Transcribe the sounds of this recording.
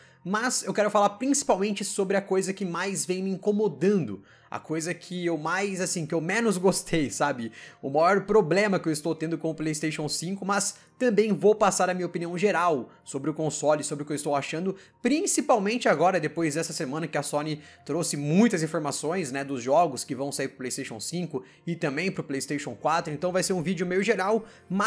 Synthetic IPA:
mɐzewkɛɾʊfalaɾpɾĩsi̥pawmẽnt͡ʃɪsobɾɪɐkojzɐkɪmajzvẽj̃mɪĩŋkomod̪ɐ̃nd̪ʊ | ɐ̰kʰojzɐkʰɪewmajzasĩkɪewmẽnʊzɡost̪ʰejsabɪʊmajɔɾpɾoblẽmɐkɪewɪst̪owt̪ẽnd̪ʊkõʊplejist̪eʃõw̃sĩŋkʊmɐs | t̪ɐ̃mbẽj̃vowpasaɾɐmĩɐopiniɐ̃w̃ʒeɾaw | sobɾɪʊkõsɔlɪsobɾɪʊkewɪst̪owaʃɐ̃nd̪ʊ | pɾĩsipawmẽnt͡ʃɪaɡɔɾɐd̪epojzd̪ɛsɐsemɐ̃nɐkɪɐsonɪ | t̪ɾosɪmũj̃t̪ɐzĩfoɾmasõj̃snɛd̪ʊzʒɔɡʊskɪvɐ̃w̃saiɾpɾʊplejst̪ejʃõ̰w̃sĩkʊ | ɪt̪ɐ̃mbẽj̃pɾʊplejist̪ejʃõw̃kwat̪ɾʊẽnt̪ɐ̃w̃vajseɾũvid͡ʒʊmejʊʒeɾaw | mɐ

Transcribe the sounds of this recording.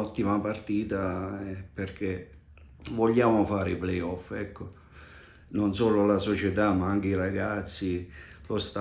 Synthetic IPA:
ɔt̪ːimapart̪iːt̪aɛperk̟e | vɔʎːaːmofaːɾeiplɛjɔfɛkːo | nonsɔːlolasot͡ʃet̪amaaŋk̟eiɾaɡat̪sːi | lost̪a

